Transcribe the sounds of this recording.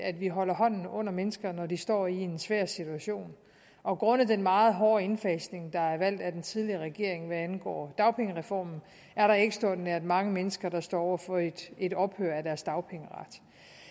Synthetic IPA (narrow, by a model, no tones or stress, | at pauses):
ædʋiɦɒ̽lɐɦɒ̽n̰n̩ɔ̽n̰ɐmenəsɡ̥ɐnɒdisd̥ɒ̰ːie̝nsʋæɐ̰sit͡sʰuæɕo̝̰ːn | ʔɒ̽ɡ̥ʁɔ̽n̰ðˠd̥enmɑ̈ːð̞̩ˠɦɒːe̝nfɛːsne̝ŋd̥ɑ̈æɐʋæl̰d̥æd̥ent͡sʰið̞ˠliɐʁɛɡ̥e̝̰ɐ̰eŋʋæænɡ̥ɒ̰ːd̥ɑ̈ʊpʰeŋəʁɛfɒ̰ːmn̩ | æɐɾɑ̈e̝ɡ̥əsd̥ɒ̰dneɐd̥mɑ̈ŋəmenəsɡ̥ɐd̥ɑ̈sd̥ɒ̰ːɒ̰ʊɐfɒ̽ed̥e̝dɒ̽b̥høɐæd̥æɐsd̥ɑ̈ʊpʰeŋəʁɑ̈d̥